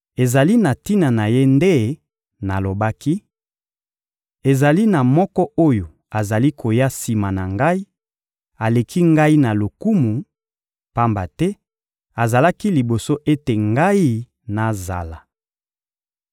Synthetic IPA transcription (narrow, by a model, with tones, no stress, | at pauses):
e˨za˨li˦na˨ti˦na˨na˨je˦nde˦ | na˨lo˨ba˦ki˦ | e˨za˨li˦na˨mɔ˦kɔ˦o˦jo˨ | a˨za˨li˦kʰo˨ja˦si˨ma˨na˨ŋɡa˦i˦ | a˨le˨kʰi˦ŋɡa˦i˦na˨lo˨ku˦mu˨ | pa˦mba˨tɛ˦ | a˨za˨la˦ki˦li˨bo˨so˦ʔe˦te˨ŋɡa˦i˦ | na˨za̰˨la˨